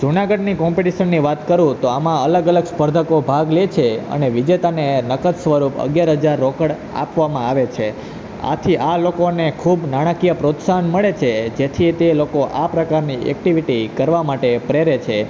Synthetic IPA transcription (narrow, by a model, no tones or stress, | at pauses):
d͡ʒunaɡəɖnikɔ̃mpiʈiʃənːiʋat̪kəɾũt̪oamãələɡələɡspəɾd̪ʱəkobʱaɡlet͡ʃʰeə̰neʋid͡ʒet̪anenəkət̪sʋəɾupə̰ɡjaɾɦəd͡ʒaɾːokəɽ | a̰pʋamãaʋet͡ʃʰe | a̰t̪ʰiʔalokonekʰubnaɽ̃akijəpɾot̪saɦənməɭet͡ʃʰed͡ʒet̪ʰit̪elokoʔapɾəkaɾniʔɛ̰k̚ʈiʋiʈikəɾʋamaʈepɾeɾet͡ʃʰe